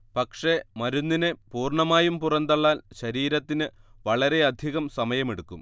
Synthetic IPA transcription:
pɐkʂe̞mɐɾunːinepuːrɳɐmaːjumpurɐnd̪ɐɭːaːnɕɐɾiːɾɐt̪ːinɨʋɐɭɐɾe̞ɐd̪ʱiɣɐmsɐmɐjɐme̞ɽukːum

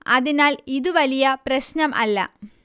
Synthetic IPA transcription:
ɐðinaːliðuʋɐlijɐprɐɕnɐmʔɐ̰lːɐ̰

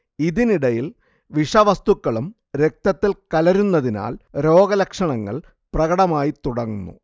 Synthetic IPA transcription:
iðiniɽɐjil | ʋiʂɐʋɐst̪ukːɐɭum | ɾe̞k̚t̪ɐt̪ːilkɐlɐɾunːɐðina̰ːlɾo̞ːɡɐlɐkʂɐɳɐŋːɐ̰ɭ | prɐɣɐɽɐmaːjit̪uɽɐŋːunːṵ

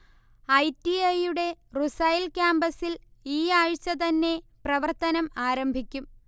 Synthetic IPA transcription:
ɐjtːiɐjuɽe̞rusɐjlkʲaːmbɐsiliːaːɻt͡ɕːɐt̪ɐnːe̞prɐʋɐrt̪ɐnɐmaːɾɐmbʱikʲːum

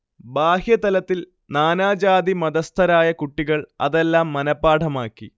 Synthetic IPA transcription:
baːhjɐt̪ɐlɐt̪ːil | naːnaːd͡ʑaːd̪imɐd̪ɐst̪ʰɐɾaːjɐkuʈːiɣɐɭɐ̰ðelːaːmːɐnɐpːaːʈʰɐmaːkːi

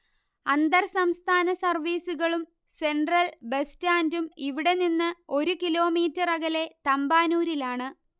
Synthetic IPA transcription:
ɐnd̪ɐrsɐmst̪ʰaːnɐsɐrʋiːsuɣɐɭum | se̞nɖrɐlbestaːndumiʋiɽe̞ninːɨo̞ɾukilo̞ːmiːtːɐrɐɣɐle̞t̪ɐmbaːnuːɾilaːɳɨ

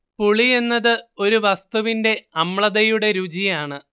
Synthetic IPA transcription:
puɭie̞nːɐðɨo̞ɾuʋɐst̪uʋinde̞ɐmɭɐðɐjuɽe̞ɾud͡ʑijaːɳɨ

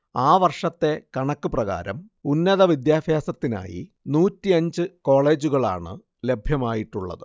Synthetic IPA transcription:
aːʋɐrʂɐt̪ːe̞kɐɳɐkːɨprɐɣa̰ːɾɐm | unːɐðɐʋid̪jaːfjaːsɐt̪ːina̰ːjḭ | nuːtːiɐɲd͡ʑɨko̞ːɭe̞ːd͡ʑuɣɐɭa̰ːɳɨ̰ | le̞bʱjɐmaːjiʈːuɭːɐ̰ðɨ

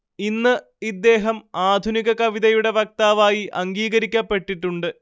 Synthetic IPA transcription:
inːɨ | id̪ːe̞ːɦɐmaːd̪ʱuniɣɐkɐʋiðɐjuɽe̞ʋɐk̚t̪aːʋaːjiʔɐŋɡiːɣɐɾikʲːapːe̞ʈːiʈːuɳɖɨ

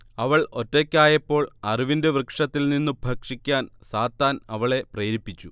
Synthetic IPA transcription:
ɐʋɐɭo̞tːokʲːaːjɐpːo̞ːɭɐriʋinduʋrɨkʂɐt̪ːilninːubʱɐkʂikʲːaːnsaːt̪ːaːnɐʋɐɭe̞preːɾipːit͡ɕːu

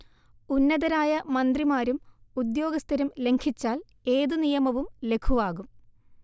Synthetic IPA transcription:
unːɐðɐɾaːjɐmɐnd̪rimaːɾumud̪jo̞ːɡɐst̪ʰɐɾumle̞ŋkʰit͡ɕːaːl | e̞ːðunijɐmɐʋumle̞kʰuʋaːɣum

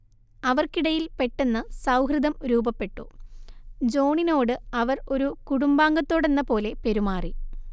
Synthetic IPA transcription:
ɐʋɐrkiɽɐjilpe̞ʈːenːɐsɐwɦrid̪ɐmɾuːbɐpːe̞ʈːu | d͡ʑo̞ːɳino̞ːɽɨɐʋɐro̞ɾukuɽumbaːŋɡɐt̪ːo̞ːɽe̞nːɐpo̞ːle̞pe̞ɾumaːri

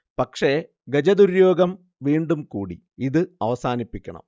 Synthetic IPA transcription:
pɐkʂe̞ | ɡɐd͡ʑɐd̪uɾjoːɡɐm | ʋiːɳɖumkuːɽḭ | iðɨɐʋɐsaːnipːikʲːɐɳɐ̰m

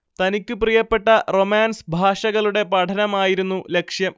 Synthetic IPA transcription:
t̪ɐnikʲːɨprijɐpːe̞ʈːɐro̞maːnsbʱaːʂɐɣɐɭuɽe̞pɐʈʰɐnɐmaːjiɾunːule̞kʂjɐm

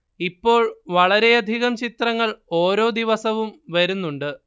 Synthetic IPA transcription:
ipːo̞ːɭʋɐɭɐɾe̞ɐd̪ʱiɣɐmt͡ɕit̪rɐŋːɐɭo̞ːɾo̞ːd̪iʋɐsɐʋumʋɐɾunːuɳɖɨ

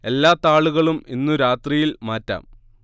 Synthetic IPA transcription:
e̞lːaːt̪ːaːɭuɣɐɭuminːuɾaːt̪rijilmaːtːa̰ːm

